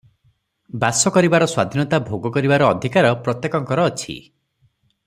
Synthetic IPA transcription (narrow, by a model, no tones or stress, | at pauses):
basɔkɔɾibaɾɔswa̰d̪ʱinɔt̪abʱoɡɔkɔɾibaɾɔːd̪ʱikaɾɔpɾɔt̪jekɔŋkɔɾɔːt͡ʃʰḭ